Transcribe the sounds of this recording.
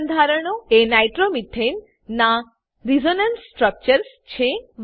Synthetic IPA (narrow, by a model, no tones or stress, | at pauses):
nd̪ʱaɾəɳ̃oenajʈɾomiʈʰenː | a | ɾid͡ʒonənsːʈɾək̚t͡ɕəɾs | t͡ʃʰem